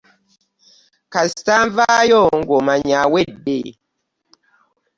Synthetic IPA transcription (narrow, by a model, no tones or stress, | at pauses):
kastaɱvajɔŋ̩ɡomaɲawet̚be